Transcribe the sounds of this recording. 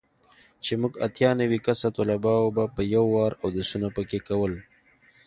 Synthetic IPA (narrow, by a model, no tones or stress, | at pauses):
t͡ʃemʊɡa̰t̪jɑnəwikasat̪olabɑwobapəjawːɑɾawd̪əsunapəkekawəl